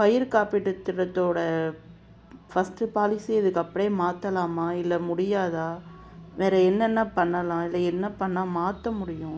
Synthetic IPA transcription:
pɐjɪɾkaːpiʈːɯt̪ːɪɾɐt̪ːoːɽɐ | fɐsʈɯpaːlɪsiɪðɯkːɐpːɐɽeːmaːt̪ːɐlaːmaːɪlːɐmʊɽɪjaːðaː | ʋeːɾɐɛnːɛnːɐpɐɳːɐlãːɪlːɐɛnːɐpɐɳːaːmaːt̪ːɐmʊɽɪjʊ̃

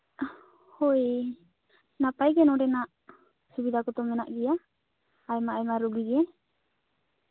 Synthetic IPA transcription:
hɔj | napajɡɛnɔɖɛnaʔ | subid̪akɔt̪ɔmɛna̰ʔɡɛjaː | jmaajmaɾuɡiɡɛ

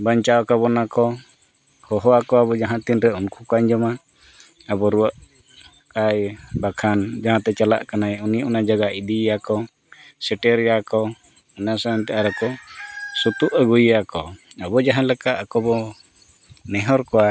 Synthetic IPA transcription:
baɲt͡ʃawkabɔnakɔ | hɔɦɔakɔabɔd͡ʒaɦãt̪inɾɛunkukaɲd͡ʒɔma | abɔɾuwəʔ | kajbakʰand͡ʒaɦãt̪ɛt͡ʃala̰ʔkanajunijaʔunad͡ʒaɡaid̪iakɔ | sɛʈɛɾjakɔ | ɔnasaant̪ɛaɾakɔsut̪uʔaɡujakɔabɔd͡ʒaɦãlɛkaʔakɔbɔ | nɛɦɔɾkɔwa

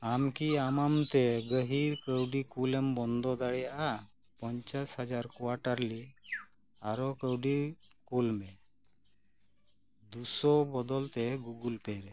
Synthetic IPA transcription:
amkiamamt̪ɛɡəɦiɾkəwɖikulɛmbɔnd̪ɔd̪aɽɛjaʔa | pɔɲt͡ʃashad͡ʒaɾkɔwaʈaɾli | aɾɔkəwɖikulmɛ | d̪usɔbɔd̪ɔlt̪ɛɡuɡulpɛɾɛ

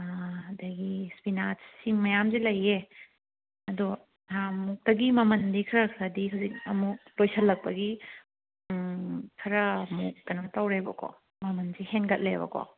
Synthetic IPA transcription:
ɐdɐɡispinat͡ʃsimɐjamzilɐje | ɐdu | amuk̚tɐɡimɐmɐndikʰɐɾɐkʰɾɐdiɦawzik̚ɐmuk̚tojsɐlːɐk̚pɐɡi | kʰɐɾɐmuk̚ːɐnɐtawɾebɐ̰kʰɔ̰ | mɐmɐnzihenɡɐt̚lebɐ̰kʰɔ̰

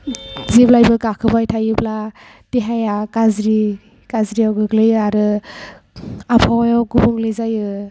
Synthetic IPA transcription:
ziblajbɯkakʰɯbajtʰajɯbla | tiɦajakazɾi | kazɾiawɡɯɡlɯjɯaɾɯ | apʰawjawɡɯbuŋlɯzajɯ

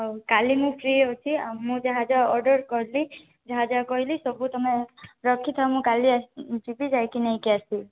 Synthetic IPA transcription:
kalimũpʰɾiɔwt͡ʃʰimũd͡ʒaɦad͡ʒaɔɾɖɔɾkɔɾli | d͡ʒɔɦad͡ʒakɔɦilisɔbʱut̪ɔmeɾɔkʰit̪ʰawmũkaliad͡ʒibid͡ʒajkinaĩkjasi

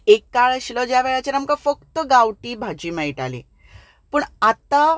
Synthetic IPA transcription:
ekːaɭəɕiləd͡ʑjaʋɛɭat͡ɕeɾamkafək̚t̪əɡawʈiːbʱad͡ʑiːmɛjiʈalḭ | pəɳat̪a

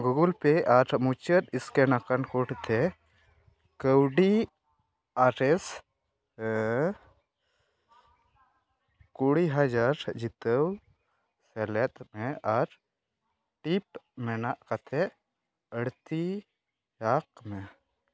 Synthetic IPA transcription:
ɡuɡulpeʔaɾmut͡ʃəɾiskenakankoʈt̪ʰɛ | kəwɖi | aɾes | kuɽiɦad͡ʒaɾd͡ʒit̪əw | sɛlɛt̪mɛaɾ | ʈip̚mɛnaʔkat̪ʰɛ | əɽt̪i | jak̚mɛ

